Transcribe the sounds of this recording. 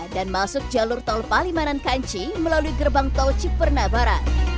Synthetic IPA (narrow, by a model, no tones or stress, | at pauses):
danmasʊk̚d͡ʒalʊrt̪ɔlpalimanankaɲt͡ʃiməlaluiɡərbaŋt̪ɔlt͡ʃik̚pərnabaɾan